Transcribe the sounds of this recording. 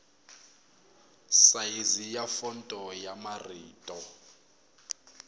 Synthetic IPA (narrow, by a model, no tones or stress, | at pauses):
sajizijafɔntʼɔjamariːtʼɔ